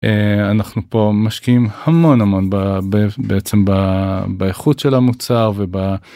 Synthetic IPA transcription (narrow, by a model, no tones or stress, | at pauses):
eanaχnupo̞maʃkiimhamo̞nhamo̞nbabbeet͡se̞mbabaeχutʃelhamut͡saʁve̞ba